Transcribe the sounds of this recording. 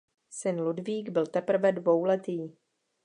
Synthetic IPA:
sɪnludviːɡbɪlt̪ɛpr̩vɛdvo̞wlɛt̪iː

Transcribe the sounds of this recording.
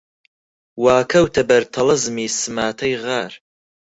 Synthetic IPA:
waːkʰɐwtʰɐbɐrtʰɐlɐzɨmiːsɨmaːtʰɐjʁaːr

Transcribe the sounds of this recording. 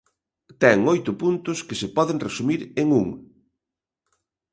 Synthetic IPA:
t̪ɛŋojt̪ʊpunt̪ʊskɪsepɔðeŋresumiɾeŋuŋ

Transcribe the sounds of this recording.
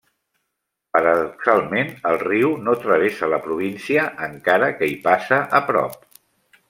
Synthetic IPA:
pəɾəðuksalˠmenəlˠriwnot̪ɾəβ̞esələpɾuβ̞insiəʔːŋkaɾəkəipasəʔəpɾɔ̰p̚

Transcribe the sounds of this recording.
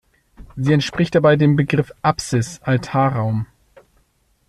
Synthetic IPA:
ziːɛntʃpʁ̥ɪçt̚d̥abaɪdeːmbəɡʁɪfʔapsɪsʔaltʰaːɐʁaʊm

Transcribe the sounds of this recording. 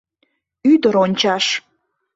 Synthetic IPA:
yd̪əɾonʲt͡ɕɑʃ

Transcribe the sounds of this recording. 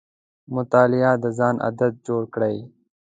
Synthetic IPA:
mʊt̪aːlɪjaːd̪əzɑːnʔɐ̰d̪əd̪̚d͡ʒoːɽkɽaj

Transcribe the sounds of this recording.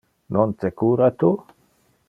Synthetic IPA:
nont̪ekuɾat̪u

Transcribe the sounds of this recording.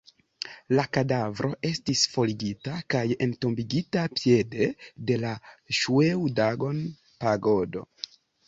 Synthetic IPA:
lakadavɾo̞ʔe̞stisfo̞liɡitakaje̞nto̞mbiɡitapje̞de̞de̞laʃuewdaɡo̞n | paɡo̞do̞̰

